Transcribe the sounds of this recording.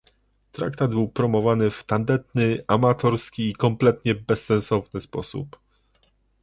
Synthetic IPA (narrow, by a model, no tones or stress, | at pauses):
t̪ɾa̰k̚t̪ad̪bɘwpɾɔmɔvanɘft̪and̪ɛt̪nɘamat̪ɔɾskʲiːkɔmplɛt̪ɲɛbɛsːɛ̃ñsɔvnɘspɔsṵp